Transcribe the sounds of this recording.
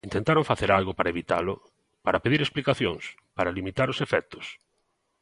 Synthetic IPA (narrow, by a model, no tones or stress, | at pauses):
int̪ent̪aɾoŋfaθeɾalɣʊpaɾɐeβit̪a̰lʊ | paɾapeðiɾesplikaθjoŋs | paɾalimit̪aɾʊsefɛk̚t̪ʊ̥s